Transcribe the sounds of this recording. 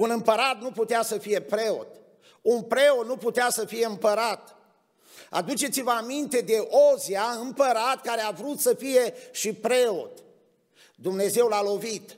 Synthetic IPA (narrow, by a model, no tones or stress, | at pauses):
unɨmpəɾat̪̚nuput̪easəfije̞pɾe̞o̞̰t̪ | unpɾe̞ot̪nuput̪easəfije̞ɨmpəɾat̪ | a̰d̪ut͡ʃe̞t̪sivəamint̪e̞d̪e̞ʔoziaɨmpəɾat̪kaɾeavɾut̪səfije̞ʃipɾe̞o̞̰t̪ | d̪umne̞ze̞wlalo̞vit̪